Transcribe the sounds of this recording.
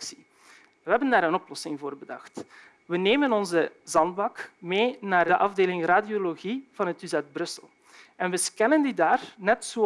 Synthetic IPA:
si̥ | ʋəɦɛbəndaːɾənɔplɔsɪŋvoːrbədɑ̰xt | ʋəneːmənɔnzəzɑndbɑkmeːnaːrdəʔɑvdeːlɪŋraːdioloɣiv̥ɑnɦətyzɛd̚brɵsəlˠ | ɛnʋəskɛnəndidaːrnɛtsoː

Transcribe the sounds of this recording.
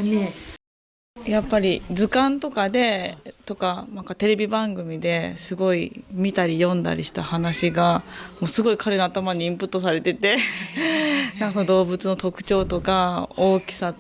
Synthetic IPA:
ne | japːaɾʲid͡zɨkãnt̪o̞kad̪e̞t̪o̞kanãŋkat̪e̞ɾe̞bʲibãŋɡɯ̟mʲid̪e̞sɨɡo̞imʲit̪aɾʲijõ̞nd̪a̰ɾʲḭɕi̥t̪ahanaɕiɡamo̞ːsɨɡo̞ikʰaɾe̞noat̪amaɲ̟iĩmpɯ̟t̪ːo̞s̬aɾe̞t̪e̞t̪e̞ | nãŋkasonod̪o̞ːbɯ̟t͡sɨno̞t̪o̞kɯ̟̥t͡ɕo̞ːt̪o̞kao̞ːkʲi̥sa

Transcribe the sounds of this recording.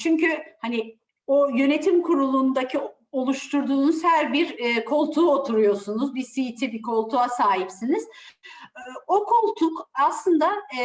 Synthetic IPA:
t͡ʃʰyɲcyhanɪ | ojø̞ne̞t̪ʰimkʰuɾulˠund̪acʰi | o̞lˠuʃt̪ʰuɾd̪uːnuz̥hæɾbiɾːkʰo̞lˠt̪ʰuːot̪ʰuɾujo̞sunuzbisijit̪ʰibikʰo̞lˠt̪ʰuasaːɦipsiniz̥ | o̞kʰo̞lˠt̪ʰukaslˠɯnd̪a

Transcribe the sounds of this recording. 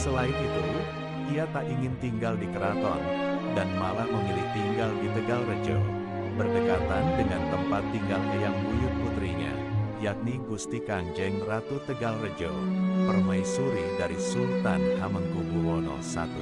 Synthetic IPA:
səlaɪnit̪u | iat̪aʔiŋɪnt̪iŋɡaldikəɾat̪ɔ̰rdanmalaʔməŋiliht̪iŋɡaldit̪əɡalrəd͡ʒo̰w | bərdəkat̪andəŋant̪əmpat̪ːiŋɡalɲajaŋwujʊp̚put̪ɾiɲa̰ | jak̚niɡust̪ikand͡ʒɛŋrat̪ut̪əɡalrəd͡ʒo̰pərmajsuɾɪdaɾisult̪anhaməŋkuɡuwɔnɔ̰sa̰t̪u

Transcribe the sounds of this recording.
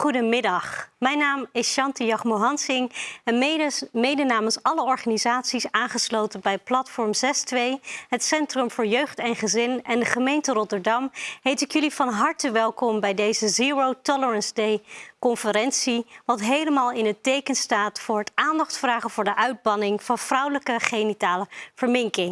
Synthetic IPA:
χudəmɪdɑχmɛjnaːmɪsʃɑntəjɑχmoɦɑnsɪŋɛnmejdənaːmənsɑləɔɹχanizaːtsisaːnχəslowtənbɛjplɑtfɔɹmzɛstʋejɦətsɛntrɵmvʊːɹjøɥχtɛnχəzɪnɛndəχəmejntərɔtəɹdɑmɦejtɪkjɵlivɑnɦɑɹtəʋɛlˠkɔmbɛjdejzəziːɹowtɔləɹɑnzdejkɔnfəɾɛnsiʋɑtɦejləmaːlˠɪnɦətejkənstaːtfʊːɹɦətaːndɑχtfraːχəvʊːɹdəʔœɥd̚bɑnɪŋvɑnv̥rʌwləkəχejnitaːləv̥əɹmɪŋkɪŋ

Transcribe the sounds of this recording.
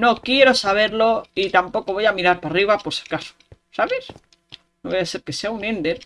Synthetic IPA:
no̞kje̞ɾo̞saβ̞e̞ɾlo̞it̪ampo̞ko̞β̞o̞jamiɾaɾpariβ̞apo̞ɾseɾkaso̥saβe̞s | noβajase̞ɾke̞se̞aunẽnd̪e̞ɾ

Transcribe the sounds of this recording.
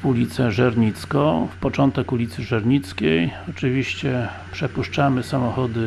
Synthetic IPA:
ulʲit̪sɛʐɛɾɲit̪skɔ̃fpɔt͡ʂɔnt̪ɛkulʲit̪sɘʐɛɾɲit̪skʲejɔt͡ʂɘvʲiɕt͡ɕɛ | pʂɛpuʂt͡ʂamɘsamɔxɔd̪ɘ

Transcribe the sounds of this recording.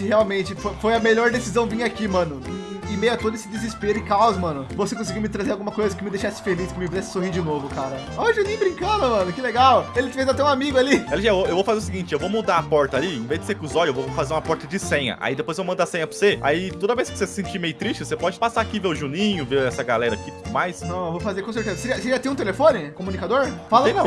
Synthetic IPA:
kɪheawmẽt͡ʃɪfofojɐmeʎɔɾd̪esizɐ̃w̃vĩɲɐakimɐ̃nʊ | ɪmejɐt̪od̪ʊesɪd͡ʒ̪ɪzɪspeɾʊɪkawzmɐ̃nʊvosekõs̬iɡiwmɪt̪ɾazeɾawɡumɐkojzɐkɪmɪd̪ejʃasɪ̥feliskɪmɪvizɛsɪ̥sohiɾd͡ʒɪnovʊkaɾɐ | ɔʒɐnẽj̃bɾĩŋkɐ̃d̪ɐmɐ̃nʊkɪleɡawelɪfejzat̪ɛũamiɡʊalialiʒɛwoewvowfazeɾʊsɪɡĩnt͡ʃɪewvowmud̪aɐpɔɾt̪ɐaliẽvezd͡ʒ̪ɪsekʊzɔlewvofazeɾũmɐpɔɾt̪ɐd͡ʒɪsẽɲɐ̰ʔa̰id̪epojzevowmɐ̃nd̪asẽɲɐpʊsea̰it̪od̪ɐvejskɪvosesɪ̥sẽnt͡ʃimejʊt̪ɾisʃt͡ʃɪvosepɔd͡ʒɪpasaːkiveʊʒunĩɲʊveɛsɐɡalɛɾɐakit̪ud̪ʊmajsnɐ̃w̃ewvowfazeɾkõs̬eɾt̪ezɐseɾiɐseɾiɐt̪ẽũt̪elefõnɪkomunikad̪oɾfalɐ̃

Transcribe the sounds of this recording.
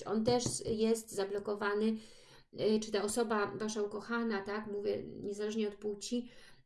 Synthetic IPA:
ɔ̰nt̪ɛʂjɛst̪zablɔkɔvanɘ | t͡ʂɘt̪aɔsɔbavaʂaukɔxanat̪akmuvʲjɛ̰ɲɛzalɛʐɲɛɔt̪puwt͡ɕi

